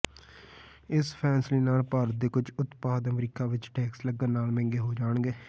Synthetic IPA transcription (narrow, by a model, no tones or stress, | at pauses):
ɪspʰɛːnsliːnaːlpaːɾət̪̚d̪eːkʊt͡ʃʊt̪paːd̪əmɾiːkaːʋɪt͡ʃʈɛːksləɡənnaːlmɛ̃ːŋɡeːɦoːd͡ʒaːɳɡeː